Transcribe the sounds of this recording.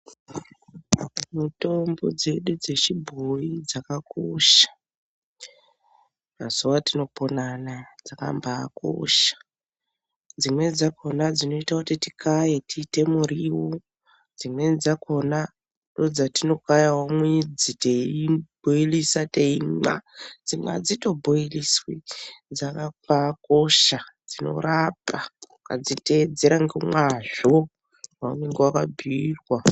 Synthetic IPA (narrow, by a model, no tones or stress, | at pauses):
muto̞mbo̞̰d͡ze̞ɗud͡ze̞ʃibʱoid͡zakakoʃḁ | ma̰suwatino̞po̞nanad͡zaka̰mba̰ːkʰo̰ʃḁ | d͡zimwe̞d͡zakʰo̞nad͡zino̞itakutiti̥kʰajetite̞muriwo | d͡zimwed͡zakona | ndod͡zatino̞kajawamwid͡ziteibʱoilisateima̰d͡zimwa̰d͡zito̞bʱoiliswid͡zakapakoʃad͡zino̞̰rapa | ka̰d͡zited͡zeɾaŋɡemwaʒo | waṵmeŋɡewakabʱiirwa